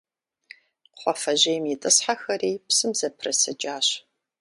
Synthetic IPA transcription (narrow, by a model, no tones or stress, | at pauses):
χʷɔfɐʑejmitʼɨsħaxɐriːpsɨmzɐpʰrɐsɐd͡ʒʼaːɕ